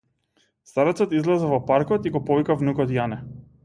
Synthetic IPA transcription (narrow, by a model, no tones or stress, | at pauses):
st̪aɾɔt̪sɔt̪izlˠɛzɛvɔpaɾkɔt̪iɡɔpɔvikavnukɔt̪janɛ